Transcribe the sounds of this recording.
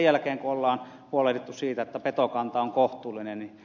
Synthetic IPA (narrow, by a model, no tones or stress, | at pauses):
jælkeːŋkuolːɑːn | puolet̪et̪ːussiːt̪æet̪ːæpet̪okɑnt̪ɑoŋkoht̪uːlːinenni